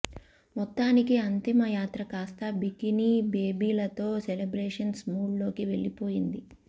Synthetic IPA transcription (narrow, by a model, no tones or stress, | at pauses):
mɔt̪ːaːnikiɐnt̪imɐjaːt̪ɾɐkaːst̪ɐbikiniːbe̞ːbiːlɐt̪oːselebɾeːʂɐnsmuːɖlo̞ːkiʋe̞ɭːipo̞ːjind̪i